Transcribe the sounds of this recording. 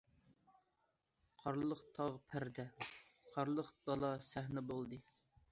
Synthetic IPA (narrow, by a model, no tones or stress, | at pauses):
qʰɑɾllˠəqt̪ʰɑʁpʰæɾd̪ɛqʰɑɾlˠəqd̪̥ɑlˠɑsæhnɛbolˠd̪ɨ